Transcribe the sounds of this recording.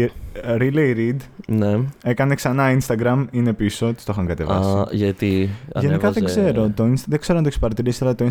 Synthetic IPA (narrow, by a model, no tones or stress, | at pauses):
ɾilejɾid̪nee̞kɐne̞ksɐnɐinst̪ɐɡɾɐmine̞piso̞t̪i̥st̪o̞xɐŋɡɐt̪e̞̰vɐ̰siʝɐt̪iʝenikɐðeɡzze̞ɾo̞t̪o̞insðe̞ɡz̥eɾoɐt̪oekspɐɾɐt̪iɾisi̥ɐlɐt̪oins